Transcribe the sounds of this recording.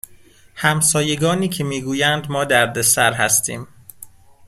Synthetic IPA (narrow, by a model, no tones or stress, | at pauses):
hæmsɒːjeɡɒːniːcʰe̞miːɡuːjænd̪mɒːd̪æɾd̪e̞sæɾɦæst̪iːm